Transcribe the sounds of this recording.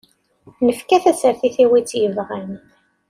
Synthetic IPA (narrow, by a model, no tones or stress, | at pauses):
nəfkæθæsəɾθiθiwit͡sːjəvʁan